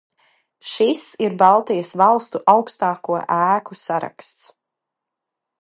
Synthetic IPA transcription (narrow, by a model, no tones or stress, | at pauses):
ʃisiɾbɑlˠt̪ijəsvɑlˠst̪uʔawkst̪aːkuɔʔæːkusaɾa̰kst̪s